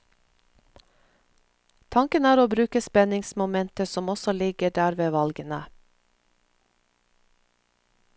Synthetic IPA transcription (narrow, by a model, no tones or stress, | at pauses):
t̪ʰɑŋkənæːɾoːbɾʉːkəspɛnɪŋsmʊmɛnt̪əsɔmɔsɔlɪɡəɖæːɾʋeːʋɑlɡənə